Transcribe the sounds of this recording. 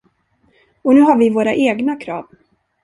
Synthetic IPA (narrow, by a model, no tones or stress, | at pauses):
ɔnʉ̟ːɦaɾvɪvoːɾa̰ʔeːɡnakʰɾɑ̰ːv